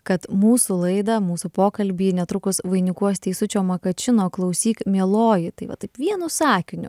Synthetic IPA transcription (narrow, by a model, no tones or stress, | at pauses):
kɐt̪muːsʊlˠɐɪd̪ɐmuːsʊpoːkɐlʲbʲiːnʲɛt̪ɾʊkʊsʋɐɪnʲʊkuɔst̪ʲɛɪsʊt͡ʃʲoːmɐkɐt͡ʃʲɪnoːklˠɐʊsʲiːkmʲiɛlˠoːjɪt̪ɐɪʋɐ̰t̪ɐɪpʋʲiɛnʊsɑːkʲɪnʲʊ̰